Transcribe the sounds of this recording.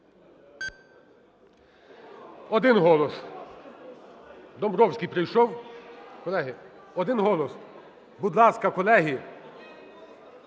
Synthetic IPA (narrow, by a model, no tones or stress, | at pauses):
ɔd̪ɪnɦɔlˠɔs | d̪ɔmbɾɔwsʲkʲijpɾɪjʃɔwkɔlˠɛɦɪ | ɔd̪ɪnɦɔlˠɔs | bud̪lˠɑskɐkɔlˠɛɦi